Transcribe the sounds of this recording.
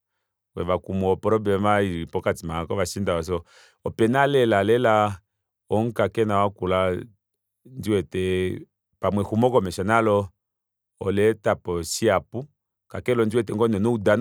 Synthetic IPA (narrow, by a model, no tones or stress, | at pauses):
wɛβakumɔɔpɔɾɔbɛmaiɾipɔkatimakɔβaʃindawas̬ɔ | ɔpɛnalɛlalɛla | ɔŋ̩kakɛnawakula | nd͡ʒiwɛtɛ | pamwɛhumɔkɔmɛʃanalɔː | lɛtapɔsiapu | kakɛlɔnd͡ʒiwɛt̬ɛŋɡɔnɔnɔudan